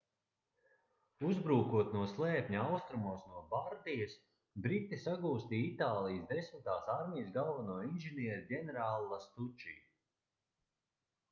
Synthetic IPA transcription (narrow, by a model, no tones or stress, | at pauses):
uzbɾuːkuɔt̪nuɔslˠɛːpʲɲuawst̪ɾumuɔsnuɔbaɾd̪ijɐs | bɾit̪ːisaɡuːst̪iit̪aːlˠijəsd̪esmit̪aːsaɾmʲijsɡalˠvanuɔinʲʒiniɛɾdʲɛnɛɾaːlˠːast̪ut͡ʃḭj